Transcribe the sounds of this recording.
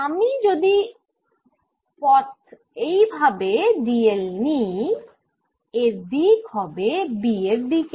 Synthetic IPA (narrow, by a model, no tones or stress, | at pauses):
amid͡ʑod̪i | pɔt̪ | ejbʱabeɖielni | eɾd̪ikhɔbebieɾd̪ik